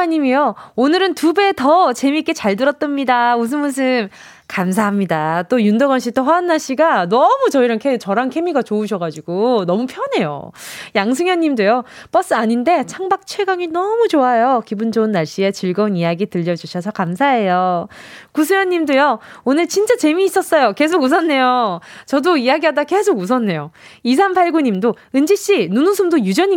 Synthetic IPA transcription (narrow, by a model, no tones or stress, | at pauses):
aɲimioonɯɾɯntube̞tʌt͡ɕe̞mik͈e̞t͡ɕaɭdɯɾʌt͈̚ʌmɲidaus̬ʰɯmos̬ʰɯm | kamsʰaɦamɲidat͈ojundʌɡʌanɕ͈ʰitʰoɸwaanːaɭɕ͈iɡanʌmut͡ɕʌiɾʌnkʰet͡ɕʌɾankʰe̞miɡat͡ɕouɕ̬ʰʌɡad͡ʑiɡonʌmupʰjʌne̞jo̰jaŋs̬ʰɯŋjʌnɲːimdojo | p͈ʌs͈ɯaɲinde̞t͡ɕʰaŋbak̚t͡ɕʰweɡaŋinʌmut͡ɕoajokibund͡ʑounːaɭɕ͈ie̞t͡ɕiɭɡʌunijaɡitɯʎːʌd͡ʑuɕʰʌsʰʌkamsʰaɦe̞jo | kus̬ʰujʌɲːimdojʌonɯɭt͡ɕint͡ɕ͈at͡ɕe̞miːs͈ʌs͈ʌjoke̞s̬ʰoɡus̬ʰʌnːe̞jot͡ɕʌdoijaɡiɦadake̞sʰoɡus̬ʰʌnːe̞jois̬ʰanpʰaɭɡuɲimdo | ɯnd͡ʑiɕ͈inunusʰɯmdojud͡ʑʌɲi